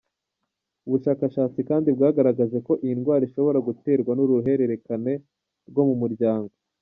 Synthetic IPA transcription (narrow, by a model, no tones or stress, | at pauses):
uβuʃaːkaʃaːt͡sikaːndibɡaːɡaɾaɡaze̞ko̞ʔijinɡwaːɾiʃo̞βo̞ɾaɡute̞ːɾɡwanuɾuɦe̞ɾe̞ɾe̞kane̞ | ɾɡo̞mumuɾɟaːŋɡo